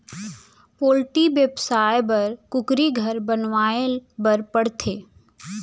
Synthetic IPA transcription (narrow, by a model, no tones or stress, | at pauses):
poːlʈiʋjəbsaːjbɐɾkʊkɾiɡʱɐɾbənʋaːebɐɾpəɽt̪ʰeː